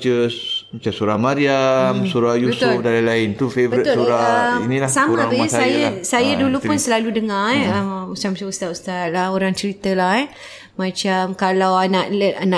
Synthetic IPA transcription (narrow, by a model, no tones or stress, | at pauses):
t͡ʃəmat͡ʃasuɾahmaɾiamsuɾajubəsʊfdalalaɪnt̪ufevbəɾit̪ʊsuɾainĩlasamãbəsajasajadulupʊnsəlaludəŋãrəmust̪amat͡ʃamust̪at̪̚ust̪at̪̚lahoɾaŋt͡ʃəɾit̪əlahɛ | mãt͡ʃamkalawanaʔləanã